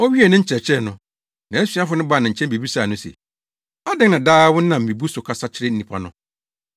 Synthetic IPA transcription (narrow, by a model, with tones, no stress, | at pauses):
ɔ˦ɥi˦ɛ˨nʊ̃˦ɲ̩˦t͡ɕʰɛ˨t͡ɕʰɪ˦ɛ˦˨nʊ̃˨ | nã˨æ˦sɥa˦fʊ˨˦nʊ̃˦ba˨nã˨t͡ɕʰɛ̃˦mbi˨bi˦saː˨nʊ̃˦sḛ˨ | a˦dɪ˦nã˨daː˦wʊ˦n̩˦nã˨m̩˨mĩ˨bu˦sʊ˨kʰa˨sa˦t͡ɕʰɪ˦ɾɪ˦n̩˦nĩ˨pʰa˦nʊ̃˦